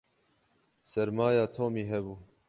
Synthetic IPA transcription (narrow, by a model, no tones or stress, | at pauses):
sɛɾmaːjaːt̪ʰoːmiːɦɛbuː